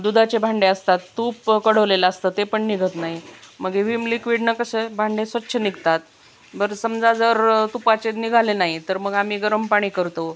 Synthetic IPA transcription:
d̪ud̪ʱat͡ɕebʱaɳɖeəst̪at̪ːuːpkəɽ̤əʋlelaəst̪ət̪epəɳniɡʱət̪naɦiməɡeʋimlikʋiɖnəkəsəbʱaɳɖesʋətːɕʰəniɡt̪at̪̚ | bəɾsəmd͡zad͡zəɾt̪upat͡ɕeniɡʱalenaɦit̪əɾməɡam̤iːɡəɾəmpaɽ̃iːkəɾt̪o

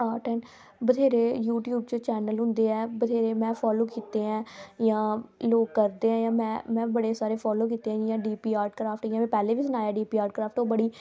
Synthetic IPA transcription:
aːʈɛːn | bəd̪ʱeːɾeːjuːʈjuːb̚t͡ʃoːt͡ʃɛːnəlɦʊ̃nd̪eːɛːbəd̪ʱeːɾeːmɛ̃ːpʰɔːloːkiːt̪eːɦɛ̃ːjãːloːɡkəɾd̪eːɦɛ̃ːjãːmɛ̃ːmɛ̃ːbəɽeːsaːɾeːpʰɔːloːk̬iːt̪eɦɛ̃jãːɖiːpiːaːɾʈkɾaːpʰʈjãːmɛ̃ːpɛːleːʋiːsʊnaːjaːɖiːpiːaːɾʈkɾaːpʈoːbəɽiː

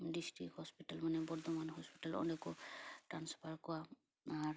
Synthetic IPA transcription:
distɹḭkhɔspitalmanɛbɔɹd̪ɔmanɦɔspitalɔ̰ndɛkɔtanspʰaɹkɔwa | aɹ

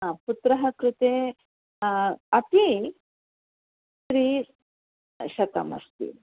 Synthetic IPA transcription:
aput̪ɾɐɦɐkɾut̪e | ɐp̪i | sɾiː | ɕɐk̪ɐ̰mɐ̰st̪ḭ

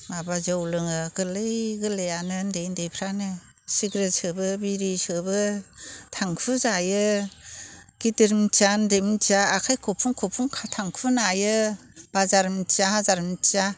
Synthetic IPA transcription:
mabazawlɯŋɯɡɯlɯjɡɯlejanɯndejndejpʰɾanɯ | siɡɾesɯbɯbiɾisɯbɯtʰaŋpʰɯzajɯ | ɡ̥idɯɾmt͡ʃandemt͡ʃaːkʰajkʰɔpʰuŋkʰɔpʰuŋkʰatʰaŋkʰunajɯb̥azaɾmtaɦazaɾmta

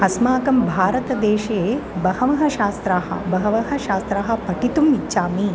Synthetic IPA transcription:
ɐsmaːkɐmbʱaːɾɐt̪ɐd̪eːʃeːbɐhɐʋɐɦɐʃaːst̪ɾaːɦɐ̰bɐɦɐʋɐɦɐ̆ʃaːst̪ɾaːɦɐ̆pɐʈit̪umit͡ʃːʃaːmi

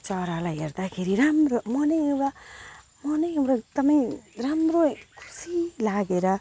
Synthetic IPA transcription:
t͡ʃɔːɾalajeɾt̪akʰiɾiɾamɾomɔneɾa | mɔneɾat̪ɐmeɾamɾokʰu̥silaːɡeɾa

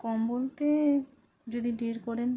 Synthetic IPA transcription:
kɔmbolt̪e | d͡ʑod̪iɖiɾkɔɾen

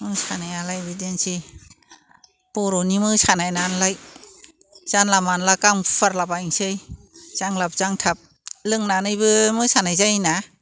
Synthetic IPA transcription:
mɯsanajalajbɯdensi | pɔɾɔnimɯsanajnanlaj | z̥anlamanlakaŋpʰaɾlabaŋsɯj | z̥aŋlap̚zaŋtʰap̚ | lɯŋnanɯjbɯmɯsanajzajna

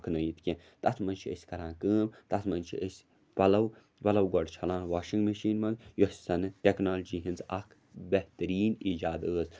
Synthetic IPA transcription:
kʰnɐjit̪ʰkʲẽ | t̪ɐt̪ʰmɐnt͡ʃʰiə̰sʲkɐɾãːnkɨːmt̪ɐsʰmɐnt͡ʃʰḭʔəsʲ | pɐlɐw | pɐlɐwɡɔɖt͡ʃʰɐlãːnwaːʃiŋɡmeʃiːnmɐnɡjosʲsɐnɨʈʲeknaːld͡ʒiːɦint͡sɐkʰ | beht̪ɐɾiːniːd͡ʒaːd̪əːs

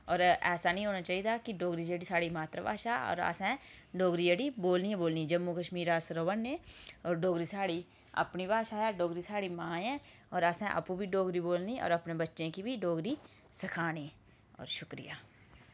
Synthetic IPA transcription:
ɔːɾɛːsaːnə̃ĩːɦoːnaːt͡ʃaːiːd̪aːkɪɖoːɡɾiːd͡ʒeːɽiːsaːɽiːmaːt̪ɾə̰ba̰ːʃaːɔ̰ːɾa̰ːsɛ̃ːɖoːɡɾiːd͡ʒeːɽiːboːlniːɛ̃ːboːlniːd͡ʒəmːuːkəʃmiːɾaːsɾoːʋənːẽːɔːɾɖoːɡɾiːsaːɽiː | ə̰pniːbaːʃaːɛːɖoːɡɾiːsaːɽiːmãːɛ̃ː | ɔːɾəsɛ̃ːʔə̰pũːbiːɖoːɡɾiːboːlniːɔ̰ːɾəpneːbətːʃẽːkibiːɖoːɡɾiː | sɪkʰaːniː | ɔ̰ːɾʃʊkɾɪ̰ja̰ː

